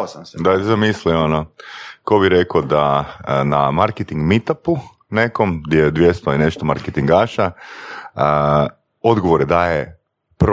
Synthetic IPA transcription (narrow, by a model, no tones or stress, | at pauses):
sd̪azamislionokobiɾekod̪anamaɾket̪iŋɡmit̪apu | ne̞ko̞md̪jed̪ʋje̞st̪oine̞ʃt̪omaɾket̪iŋɡaʃa | o̞d̪ɡoʋoɾed̪aːje | pɾ